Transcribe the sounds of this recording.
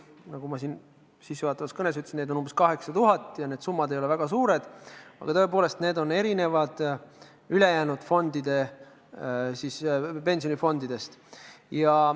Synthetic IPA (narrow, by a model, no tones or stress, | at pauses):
nɑɡ̥umɑsiːn | sisːuvɑːt̪ːˑɑvɑskɤnes̬yt̪ːˑsined̪onumb̥eskɑɦe̞ksɑt̪uɦɑt̪ːˑjɑne̞ːd̪sumːɑd̪eje̞væɡ̥ɑsuːɾe̞d̪̥ɑ̰ɡ̥ɑt̪ɤe̞p̬o̞ːle̞st̪ne̞ːd̪o̞ne̞ɾine̞vɑd̪̥ | yle̞jæːnud̪̥fo̞nd̪̥id̪̥e̞ | sispe̞nsio̞nifo̞nd̪id̪e̞st̪jɑ